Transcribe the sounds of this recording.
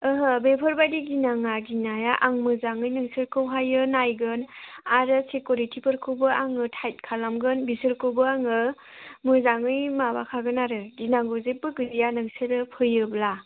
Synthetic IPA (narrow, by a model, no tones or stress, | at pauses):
ɯɦəbepʰɯɾbajdiɡinaŋaɡinajaʔaŋmɯzaŋɯjnɯŋsɯɾkʰɯwɦajɯnajɡɯnaɾɯsekuɾitʰipʰɯɾkʰɯwbɯʔaŋɯtʰajt̚kʰalamɡɯnbisɯɾkʰɯwbɯaŋɯ | mɯzaŋɯjmabakʰaɡɯnaɾɯɡinaŋɡozebɯɡɯɾijanɯŋsɯɾɯpʰɯjɯbla